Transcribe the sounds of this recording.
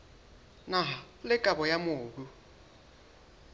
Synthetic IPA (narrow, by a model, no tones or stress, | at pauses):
naɦa | lɪkʼabɔjamoːbu